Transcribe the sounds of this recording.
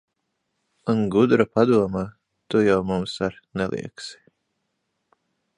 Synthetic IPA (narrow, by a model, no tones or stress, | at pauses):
unɡud̪ɾapad̪uɔmaː | t̪ujawmumsaɾ | nɛlˠʔˠḭɛksi̥